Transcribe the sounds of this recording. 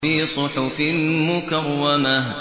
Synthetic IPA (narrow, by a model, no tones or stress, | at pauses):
iːsˤʊħʊfɪnmʊkarːanaɦ